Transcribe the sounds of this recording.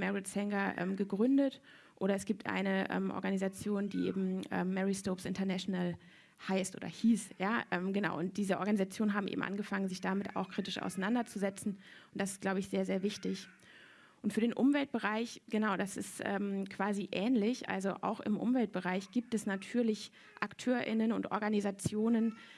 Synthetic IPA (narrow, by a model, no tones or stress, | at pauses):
mɛʁɪtsɛŋɡɐʔɛ̰ːmɡəɡʁʏndət | ʔoːɾɐɛsɡ̥iːp̚tʔa̰ɪnəʔɛ̰ːmʔɔ̰ɐɡanizat͡sjoːndḭːʔḛːbm̩ʔɛ̰ːmːɛʁistoːpsɪntɐnɛʃonal | haɪstʔo̰ːdɐ̰hiːsjaːʔɛːmɡənaʊʔʊnt̚d̥iːzəʔɔɐɡanizat͡sjoːnənɦaːbm̩ʔḛːbm̩ʔa̰nɡəfaŋənzɪçd̥amɪta̰ʊxkʁ̥iːtɪʃʔa̰ʊsaɪnandɐt͡suzɛt͡sn̩ʔʊnt̚d̥asɪst̚ɡ̥laʊbəɪçz̥eːɐzeːɐvɪçtɪç | ʔʊntfyːɐdeːnʔʊmvɛlt̚b̥əʁaɪçɡ̥ənaʊdasɪ̰stʔɛ̰ːmkv̥aːziʔɛːnlɪçʔa̰lzoʔa̰ʊxɪ̰mʔʊ̰mvɛlt̚b̥əʁaɪçɡ̥iːp̚tɛsnatʰyːɐlɪç | ʔaktʰøːɐʔɪ̰nənʊ̰ntʔɔ̰ɐɡanizat͡sjoːnən